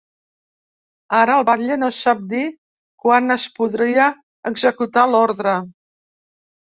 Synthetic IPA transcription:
aɾəːlˠβaʎenosap̚d̪i | kwanəspuðɾiə | əɡzəkut̪alɔɾðɾə

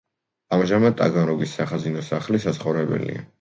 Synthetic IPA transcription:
amʒamad̪̚t̪ʼa̰ɡanɾɔɡisːaχazinɔsaχlisat̪sʰχɔvɾɛbɛ̰lḭa̰

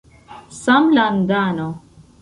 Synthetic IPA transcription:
samland̪aːno

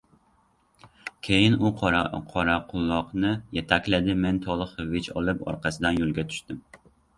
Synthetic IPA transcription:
kʲʰejɪnuqʰqʰɑɾɑqʰʊlˠːɑqnɨjɛt̪ʰɛkʲlɪd̪ɪmɛnt̪ʰɒlˠɨχɨvɪt͡ʃʰɒ̰lˠɨpɒ̰ɾqʰɑsɪd̪ɛnjolˠɡʲɛt̪ʰy̥ʃt̪ɪm

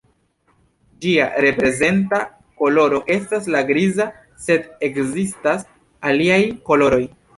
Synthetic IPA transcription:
d͡ʒia̰ɾe̞pɾe̞ze̞nta | ko̞lo̞ɾo̞ʔe̞staslaɡɾiza | se̞de̞kzistas | aliajko̞lo̞ɾo̞j

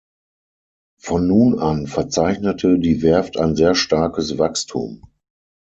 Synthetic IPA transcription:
fɔnːuːnanfɛɐt͡saɪçnətʰədiːvɛɐftaɪnzeːɐʃtaɐkəsvakstʰṵːm

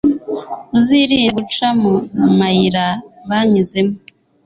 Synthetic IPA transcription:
uziɾijeɡut͡ʃamunumajiɾaβaɲizemo

